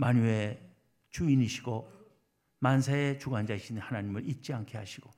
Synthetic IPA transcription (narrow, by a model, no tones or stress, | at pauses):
maɲue | t͡ɕuiniɕʰiɡo | mansʰaet͡ɕuɡand͡ʑaiɕʰinhanaɲimɯɾit̚t͡ɕ͈iankʰeɦaɕʰiɡ̥o